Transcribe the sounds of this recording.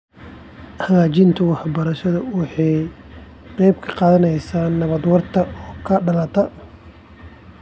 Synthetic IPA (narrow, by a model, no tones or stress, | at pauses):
hɐɣaːt͡ʃɪnt̪ʰʊwɑħbɐɾɐʃɐðʊwɑħɑj | qɛjb̚kʰɐ̥qɑːðɐnɛjsaːnːɐβɐd̪wɐrt̪ʰɐɔːkʰɐɖɐlɐt̪ʰɐ